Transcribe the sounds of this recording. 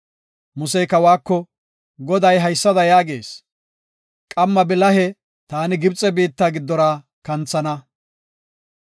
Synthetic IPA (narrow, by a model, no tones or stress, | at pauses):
mʊsɛjkɐwaːkːɔ | ɡɔd̪ɐjɦɐjsːɐd̪ɐjaːɡe̞̰ːs | kʼɐmːɐbɪlɐhɛ | t̪aːnɪɡɪbt͡sʼːɛbiːt̪ːaːɡɪd̪ːɔɾaː | kɐnt͡sːɐnɐ